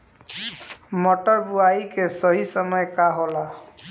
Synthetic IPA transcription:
mɔʈɔɾbuaikesʌɦisəmʌjkaɦola

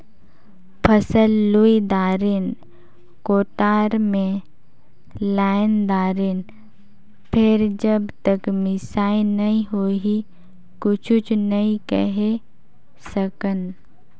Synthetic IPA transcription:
pʰəsəlːuid̪aːɾen | koːʈaːɾmẽ | laːɪnd̪aːɾeːn | pʰɪɾd͡ʒəbt̪əkmɪsaːinɐɦĩɦoːɦi | kʊt͡ʃʰʊt͡ʃnɐĩkəɦe | səkən

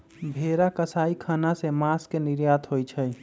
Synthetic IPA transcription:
bʱeɾakəsaikʰənasemaskeniɾjat̪ʰɦojt͡ʃʰəj

